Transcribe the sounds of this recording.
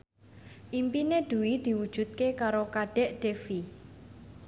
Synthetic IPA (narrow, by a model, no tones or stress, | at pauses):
ʔimpineɖ̪̥ṳwid̪̥i̤wud̥ʒ̥ṳt̪̚kekaɾokaɖ̥ɛ̤ʔɖ̪̥efi